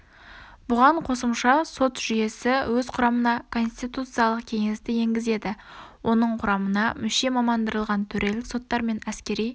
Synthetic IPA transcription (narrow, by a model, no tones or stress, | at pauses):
b̥ʊʁɑɴqʰo̞səmʃɑso̞t̪ʒ̥ʏje̞sɪwɵzqʰʊɾɑmənɑkʰo̞nst̪it̪ut̪sɨjɑlˠəq̚kʲʰe̞ŋest̪ɪje̞ŋɡʲɪze̞d̪ɪwʔo̞nəɴqʰʊɾɑmənɑmʏʃe̞mɑmɑnd̪əɾəlˠʁɑnt̪ʰɵɾʔe̞lɪkso̞t̪ːɑɾme̞næskʲe̞ɾij